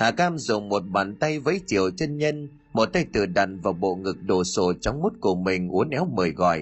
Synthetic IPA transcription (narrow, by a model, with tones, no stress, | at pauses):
haː˨˩kaː˧mzʊ˨˩ŋ͡mmo˨˩t̚ɓaː˨˩nt̪a˧jvə̰˧˥˦jt͡ɕḭ˨˧˨əwt͡ɕe˧nɲə˧n | mo˨˩t̚t̪a˧jt̪ɨ˨˧˩əɗa̰˧˩nvaː˨˩wɓo̰˧˨ŋɨ˨˩k̚ɗo˨˩so˧˩t͡ɕɔ˨˦wŋ͡mmu˦˥t̚ku˧˩əmï˨˩ŋ̟ʔu˨˦ənʔɛ˨˦wməː˨˩jɣɔ̰˧˨j